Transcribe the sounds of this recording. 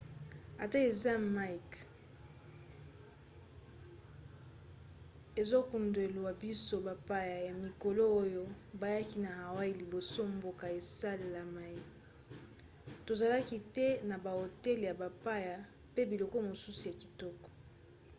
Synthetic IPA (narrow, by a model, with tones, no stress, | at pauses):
a˨ta˦e˨za˦ma˦i˨k | e˨zo˦ku˨nde˨lu˨wa˨bi˦so˦ba˨pa˦ja˨ja˨mi˨ko˨lo˦o˦jo˦ba˨ja˦ki˦na˨ha˨wa˦i˦li˨bo˨so˦mbo˦ka˨e˨sa˦le˨la˨ma˨je˦ | to˨za˨la˦ki˦tɛ˦na˨ba˨o˨tɛ˦lja˨ba˨pa˦ja˨ | pe˦bi˨lɔ˨kɔ˦˨mo˨su˦su˨ja˨ki̥˨tɔ˦kɔ̥˨